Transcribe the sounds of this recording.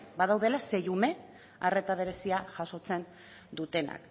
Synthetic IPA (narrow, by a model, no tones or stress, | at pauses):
bað̞awð̞e̞lase̞jume̞ | are̞t̪aβ̞e̞ɾe̞siaʝaso̞t͡se̞n | d̪ut̪e̞na̰k